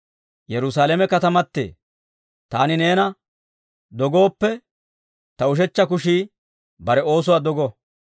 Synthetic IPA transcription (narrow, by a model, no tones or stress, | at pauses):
jɛɾʊs̬aːlɛmɛkɐt̪ɐmɐt̪ːḛː | t̪aːnɪne̞ːnɐ | d̪ɔɡo̞ːpːɛ | t̪ɐʊʃ̬ɛt͡ʃːɐkʊʃiː | bɐɾɛo̞ːs̬ʊwaːd̪ɔɡɔ